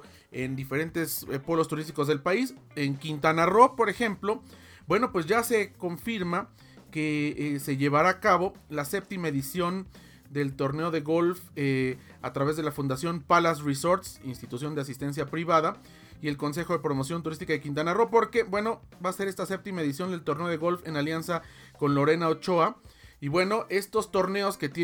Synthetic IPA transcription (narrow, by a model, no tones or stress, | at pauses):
end̪ife̞ɾe̞nt̪e̞spo̞lo̞st̪uɾis̬t̪iko̞zðe̞lpais | e̞ŋkint̪anaro̞po̞ɾe̞xe̞mplo̞ | bwe̞no̞pwe̞zʝase̞ko̞ɱfiɾma | ke̞se̞ʝe̞βaɾaːkaβo̞lase̞p̚t̪imae̞ðisjo̞n | d̪e̞lt̪o̞ɾneo̞ðe̞ɣo̞lfe | a̰t̪ɾaβezðe̞lafund̪asjo̞npalas̬riso̞ɾt̪sinst̪it̪usjo̞nd̪eas̬ist̪e̞ns̬japɾiβaða | ie̞lko̞ns̬e̞xo̞ðe̞pɾo̞mo̞s̬jo̞nt̪uɾis̬t̪ikaðekint̪anaro̞po̞ɾke̞bwe̞no̞baːse̞ɾe̞st̪ase̞p̚t̪imaeðis̬jo̞nd̪e̞lt̪o̞ɾne̞o̞ðe̞ɣo̞lfe̞naljansa | ko̞nlo̞ɾe̞naot͡ʃoaiβwe̞no̞ʔe̞st̪o̞st̪o̞ɾne̞o̞ske̞t̪j